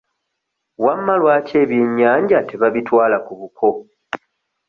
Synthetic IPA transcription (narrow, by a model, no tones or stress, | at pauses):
wamːalwaːce̞ːβjeɲːaːɲɟate̞βaβitwaːlakuβukʰo̞